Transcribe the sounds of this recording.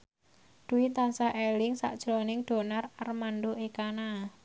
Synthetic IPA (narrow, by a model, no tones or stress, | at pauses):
d̪̥uwit̪ansaʔɛlɪŋsa̰ʔd̥ʒ̥ɾonɪŋɖ̪̥o̤nararmanɖoʔekana